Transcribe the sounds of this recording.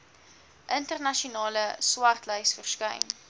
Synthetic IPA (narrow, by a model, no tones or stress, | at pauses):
ʔəntərnɐʃiunɑːləswɐrtləjsfərskəjn